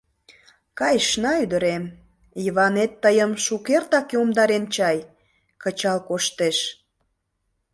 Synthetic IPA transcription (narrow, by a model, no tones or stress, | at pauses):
kɑjʃnɑyd̪əɾem | iβɑnet̪ːəjəmʃukert̪ɑkeomd̪ɑɾent͡ɕɑj | kət͡ɕɑlkoʃt̪eʃ